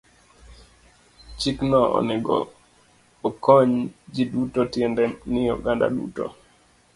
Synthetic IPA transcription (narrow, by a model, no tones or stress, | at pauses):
t͡ʃiknɔɔ̰nɛɡɔ̰ː | kɔɲd͡ʒidutɔtjɛndɛnɪjɔɡanda̰ɗṵtɔ̰